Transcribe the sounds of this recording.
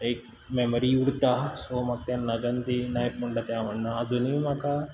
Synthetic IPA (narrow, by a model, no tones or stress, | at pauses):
eːk̚ | meməɾiuɽt̪asomɐk̚t̪janːɐd͡ʒɐnd̪inajp̚muɳɖat̪jaʋɐɳːaːd͡zunimaka